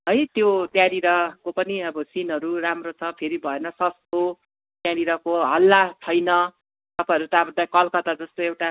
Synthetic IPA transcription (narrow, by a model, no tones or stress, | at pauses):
ʌjt̪jot̪jãɾiɾʌkopʌniʌbʌsinɦʌɾuramrot͡sʰʌpʰeɾibʱʌenʌsʌst̪o | t̪jãɾiɾʌkoɦʌlːat͡sʰʌjnʌ | t̪ʌpajʌɾut̪abʌnd̪akʌlkʌt̪ad͡zʌst̪oewʈa